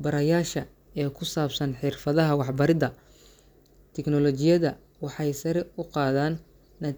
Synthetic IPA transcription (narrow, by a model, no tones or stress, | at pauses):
bɐɾɐjaːʃɐ | ɛːkʰʊsaːbsɐnħɪrfɐðɐɦɐwɑħbɐɾɪðɐ | t̪ʰɛknɔlɔt͡ʃɪjɐðɐ | wɑħɑjsɐɾɛʊqɑːðaːnː | ɐ